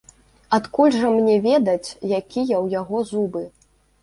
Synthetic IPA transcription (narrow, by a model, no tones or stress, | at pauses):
at̪kulʲʐɐmnʲɛvʲɛd̪ɐt͡sʲjakʲijɐwjaɣɔzubɨ